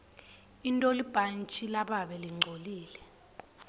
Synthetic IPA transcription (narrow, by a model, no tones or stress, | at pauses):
intʼolib̥ʱant͡ʃʼilaɓaɓɛliŋ͡ǀʱoliːlɛ